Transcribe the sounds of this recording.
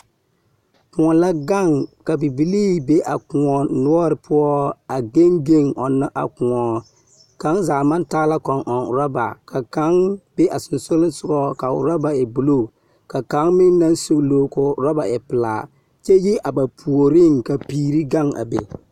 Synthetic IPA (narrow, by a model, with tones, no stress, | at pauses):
kʊ˨ŋɔ˨la˦ɡa˦˨ŋka˨bi˨bi˨liː˦be˦ʔa˨kʊ˨ŋɔ˨nʊ˦ɔ˦ɾɪ˨pʊ˦ɔ˦a˨ɡe˦ŋɡe˦ŋɔ˨nːa˦ʔa̰˨kʊ˨ŋɔ˨ | ka˨˦ŋzaː˨ma˦ntaː˦la˦kɔ˨ŋʔɔ˨ŋ˨ɾa˦ba̰˨ka˨ka˨˦ŋbe˦ʔa˨sʊ˨nsʊ˦lʊ˦n˦sʊ˦ɡɔ˦ka˨ʊ̰˨ɾa˦ba˨ɪ˨bu˨lo˦˨ | ka˨ka˨˦ŋmɪ˦ŋna˦nso˦klo˦kʊ˨ɾɔ˦ba˨ʔɪ˨pɨ˨la̰ː˨ | t͡ʃɛ˦ji˦ʔa˨ba˨pʰu˨o˨ɾɪ˦ŋka˨piː˨ɾi˦ɡa˦˨ŋa̰˨bḛ˨